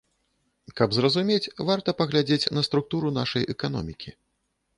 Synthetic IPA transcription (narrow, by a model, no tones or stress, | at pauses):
kɐbzrɐzumʲet͡sʲvart̪ɐpɐɣlʲad͡zʲet͡sʲnɐst̪ɾuk̚t̪uɾun̪a̰ʂɐjʔɛkanɔ̰mʲikʲi